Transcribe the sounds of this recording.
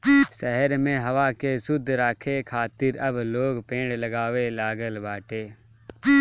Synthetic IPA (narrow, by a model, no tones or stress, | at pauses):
sɛɦəɾmẽɦɐʋakesʊd̪ʱːɾaːkʰekʰaːt̪ɪɾɐbloːɡpẽːɳɖlɐɡaːʋelaːɡəlbaːʈeː